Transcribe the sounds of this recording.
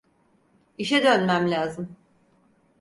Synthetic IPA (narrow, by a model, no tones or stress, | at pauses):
iʃɛd̪ønmæmlʲaːzɯm